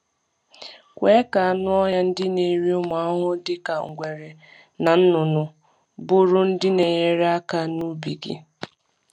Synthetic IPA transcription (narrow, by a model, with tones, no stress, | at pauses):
kʷe˨˦ka˨a˨nʊ˦ɔ˦ja˦n̩˦dɪ˦ne˨ɾi˦ʊ˦ma˨a˦ɦʊ˦dɪ˦ka˨ŋ̩˨ɡʷe˨ɾe˨ | na˨n̩˦nʊ˨nʊ˨ | bʊ˦ɾʊ˦n̩˦dɪ˦ne˨ɲe˦ɾe˦a˦ka˦nu˦bi˨ɡḭ˨